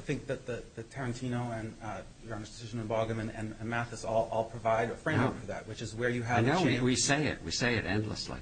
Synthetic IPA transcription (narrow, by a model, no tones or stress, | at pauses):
θɪ̃ŋk̚ðɨt̪̚ðɨðɨtʰɛɹɨ̃ntʰĩnoʊɨ̃n | jə˞ɑ̃nə˞sd̥ɨsɪʒɨ̃nɨ̃nbɑɡɨ̃mɨ̃nɨ̰̃ñnmæθɨsɔlˠɔlˠpʰɹ̥ɨvaɪɾəfɹẽɪ̃mə˞kfə˞ðɨ̰t̚wɨt͡ʃɨzwə˞jɨɨnoʊ̃iwiseɪɪ̰t̚wḭseɪɨɾɛ̰̃ndˡlə̰slḭ